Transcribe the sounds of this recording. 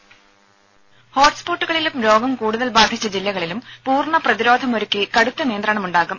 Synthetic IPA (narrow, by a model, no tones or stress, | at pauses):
ho̞ːʈspo̞ːʈːuɣɐɭilumɾo̞ːɡɐmkuːɽuðɐlbaːd̪ʱit͡ɕːɐd͡ʑilːɐɣɐɭilumpuːrɳɐprɐðiɾo̞ːd̪ʱɐmo̞ɾukʲːɨkɐɽut̪ːɐnijɐnd̪raːɳɐmuɳɖaːɣum